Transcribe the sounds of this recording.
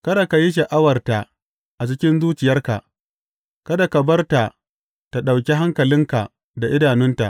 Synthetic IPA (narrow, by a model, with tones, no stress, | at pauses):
kɐ˦da˨ka˨ji˦ʃ̬ɐ˨ʔa˦wɐ˨rta˨ | ʔa˨t͡ʃɪ˦kʲɪ˦nzuː˦t͡ʃɪ˨jɐ˦rka˨ʔ | kɐ˦da˨ka˨bɐ˦rta˨ | ta˨ɗa˨wkʲi˦ɦa˦ŋkɐ˨lɪ˦ŋka˨ | da˨ʔɪ˦daː˨nɪ˦nta̰˨ʔ